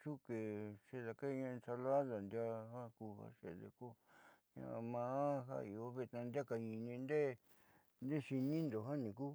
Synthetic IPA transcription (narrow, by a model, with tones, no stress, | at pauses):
t͡ʃu˦ke˨ʂe˧ða˨ka˦˧ɲã˧sa˧la˦ða˨nd̪ja˦ha˦ku˧ha̰˦˧ʂḛ˨ðḛ˧ko˦ɲã̰˧mã˧˦ɦa̰˦i˨˧o˦βe˧t̪nã˧nd̪ʲa˦ka˧ĩ˨nĩ˧nd̪e˦ | nd̪e˦ʃi˧nĩ˦nd̪o˨ɦã˦nĩ˨ku˦